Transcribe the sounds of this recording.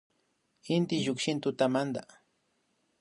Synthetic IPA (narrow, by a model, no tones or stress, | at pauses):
ɪnt̪ɪʒʊkʃɪnt̪ʊt̪amand̪a̰